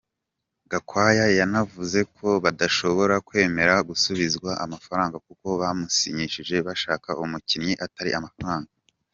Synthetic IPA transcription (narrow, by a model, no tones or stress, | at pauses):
ɡakwaːjajanavuze̞kʰo̞βadaʃo̞βo̞ɾakwe̞ːme̞ɾaɡusuβizɡwaamafaɾaːŋɡakuko̞βamusiɲiʃiʒe̞βaʃaːkaʔumucinɲiʔataɾḭʔamafaɾaːŋɡa